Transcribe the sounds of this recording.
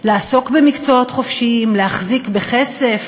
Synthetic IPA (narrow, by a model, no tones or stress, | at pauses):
leaso̞kbe̞mikt͡soot̪χo̞fʃiimlehaχzikbeχe̞se̞f